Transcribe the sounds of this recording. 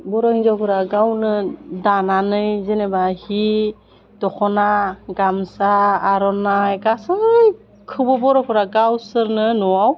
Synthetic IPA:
bɔɾɔhinzɔkʰɯɾaɡawnɯdananɯjzenɛbahi | dɔxʰɔnaɡamsaːɾɔnajkasɯj | kʰɯbɔbɔɾɔkʰɯɾaɡawsɯɾnɯnɔwaw

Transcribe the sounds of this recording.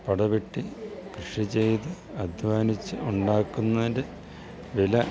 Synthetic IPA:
pɐɽɐʋeʈːikrɨʂit͡ɕe̞jt̪ɨ | ɐd̪ʱʋaːnit͡ɕːɨuɳɖaːkːunːɐɾɨ | ʋilɐ

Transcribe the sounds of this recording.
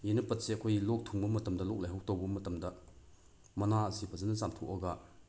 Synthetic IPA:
jinɐpɐt̪̚sɛkʰɔjlɔk̚t̪ʰuŋbumɐt̪ɐmdalɔk̚lajɦɔwt̪ɔbumɐt̪ɐmdaʔ | mɐnaʔasipazɐnt͡samt̪ʰuʔɔkaʔ

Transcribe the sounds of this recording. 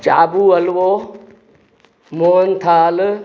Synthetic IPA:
t͡ʃaːbuːɐlʋoː | moːnt̪ʰaːl

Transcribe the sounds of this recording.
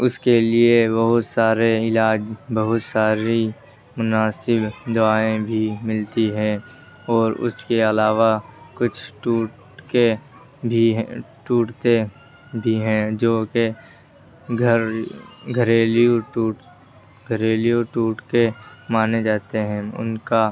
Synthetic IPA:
ʊskeliebɐɦʊt̪saːɾeɪlaːd͡ʒbɐɦʊt̪saːɾi | mʊnaːsɪbd̪ʊaːẽbʱimɪlt̪iɦɛ̃ː | ɔːɾʊ̰skeɐlaːʋakʊt͡ʃʰʈuːʈ | ke | bʱiɦʈuːʈt̪e | bʱiɦɛ̃ːd͡ʒoːke | ɡʱəɾɡʱəɾeːlijoʈuːʈ | ɡʱəɾeːlijõʈuːʈkemaːned͡ʒaːt̪eɦɛ̃ːʊ̰nka

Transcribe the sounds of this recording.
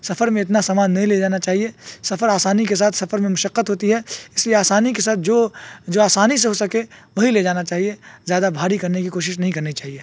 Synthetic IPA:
sɐfəɾmẽɪt̪nasaːmaːnːɐɦĩled͡ʒaːnat͡ʃaːɦiesɐfəɾaːsaːnikes̬aːt̪ʰsɐfəɾmẽmʊʃəqːət̪ɦoːt̪iɦɛɪslieaːsaːnikesaːt̪̚ʰd͡ʒoːd͡ʒoːaːsaːniseɦosɐkeʋɐɦiled͡ʒaːnat͡ʃaːɦiezjaːd̪abʱaːɾikɐɾnekikoːʃɪʃnɐɦĩkɐɾnit͡ʃaːɦieː

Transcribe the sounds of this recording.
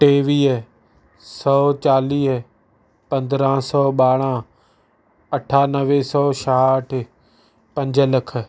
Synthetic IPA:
ʈeːʋiːɦ | sɔːt͡ɕaːliːɦ | pɐ̃nd̪ɾãːsɔːɓaːɽ̃ãː | ɐʈʰaːnəʋeːsɔːʃaʈʰɪ | pɐ̃ɲd͡ʒələkʰə̆

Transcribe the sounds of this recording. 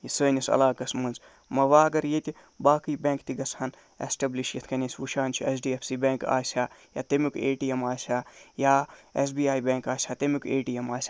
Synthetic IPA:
jisəːnʲisɐ̰laːkɐsməːnz | mɐʋaːɐɡɐɾjet̪ʲi | baːkiːbẽːŋkt̪iɡɐshɐn | ḛsʈɐbliʃjɐt̪ʰkɐnʲesʲʋuʃaːnt͡ʃʰiesɖiːepʰsiːbʲeːŋka̰ːsʲaːja̰ːt̪ɐmukeːʈiemaːsʲaːjaːesbiːaːjbʲẽːŋkaːsʲaːt̪emukeːʈiemaːsʲaː

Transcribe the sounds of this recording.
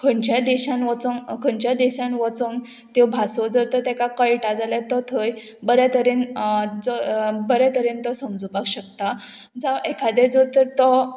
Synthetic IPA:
kʰəɳt͡ɕjad̪ɛɕãnʋɔt͡sɔnkʰə̃ɲt͡ɕjad̪ɛɕãnʋɔt͡son | t̪ewbʱasɔd͡zɔɾt̪əɾt̪ɛkakəɭʈad͡zalat̪ɔt̪ʰəj | bəɾat̪əɾend͡zɔbəɾat̪əɾent̪ɔsəmd͡zubakɕəkt̪a | d͡zaʋɛkʰad̪ɛɾd͡zɔt̪əɾt̪ɔ

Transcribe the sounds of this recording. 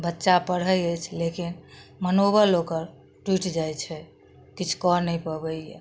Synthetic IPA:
bətːʃapəɽ̤əjət͡ʃʰlekinmənobəlːokəɾ | ʈwiʈd͡ʒajt͡ʃʰɛ | kit͡ʃʰkɔɾnəjpəbəje

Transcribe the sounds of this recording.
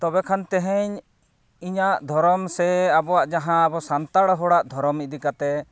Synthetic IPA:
t̪ɔbɛkʰant̪ɛɦɛɲ | iɲaʔd̪ʱɔɾɔmsɛabɔwaʔd͡ʒaɦãːbɔsant̪aɽɦɔɽaʔd̪ʱɔɾɔmid̪ikat̪ɛ

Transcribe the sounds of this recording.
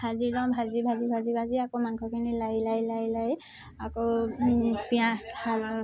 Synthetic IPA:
hazidɔbʱazibʱazibʱazibʱaziakomaŋkʰɔkʰinilajlajlajlaj | ako | pijaal

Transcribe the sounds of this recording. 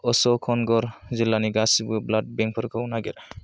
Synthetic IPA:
ɔsɔkʰɔnɡɔɾzilːaniɡasibɯblad̚bɛŋpʰɔɾkʰawnaɡɛɾ

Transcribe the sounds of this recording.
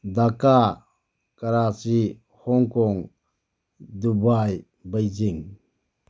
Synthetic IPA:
daka | kaɾat͡ʃi | hɔŋkɔŋ | dubaj | bajziŋ

